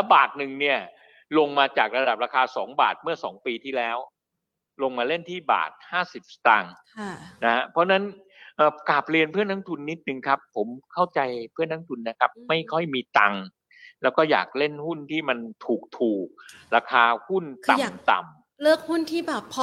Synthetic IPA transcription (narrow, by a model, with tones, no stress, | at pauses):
lɛ˦˥baː˨˩t̪̚nɯ˨˩ŋni˥˩ɐ | lo˧ŋmaː˧t͡ɕaː˨˩k̚ɾa˧da˨˩p̚ɾaː˧kʰaː˧sɔ̰ː˩˦ŋba̰ː˨˩t̪̚mɯ˥˩ɐsɔː˩˦ŋpiː˧t̪ʰiː˥˩lɛː˦˥w | lo˧ŋmaː˧le˥˩nt̪ʰiː˥˩ba̰ː˨˩t̪̚haː˥˩si˨˩p̚st̪a˧ŋ˥˩ | na˦˥ha˦˥pʰɾɔ˦˥na˦˥n | ʔəː˨˧˩ka˨˩p̚ɾi˧ənpʰɯ˥˩ənʰa˦˥ŋt̪ʰu˧nːi˦˥t̪̚nɯ˧ŋkʰa˦˥pʰːo˩˦mkʰa˥˩wt͡ɕa˧jpʰɯ˥˩əŋna˦˥ŋt̪ʰu˧nːa˦˥kʰa˦˥p̚ma˥˩jkʰɔ˥˩jmiː˧t̪a˧ŋ | lɛː˦˥wkɔː˥˩ja̰ː˨˩k̚le˥˩nhu˥˩nt̪ʰiː˥˩ma˧nt̪ʰuː˨˩k̚t̪ʰuː˨˩k̚ | ɾaː˧kʰaː˧hu˥˩nt̪a˨˩m˨˩t̪a̰˨˩m | lɯ˥˩ək̚hu˥˩nt̪ʰiː˥˩bɛː˨˩pʰː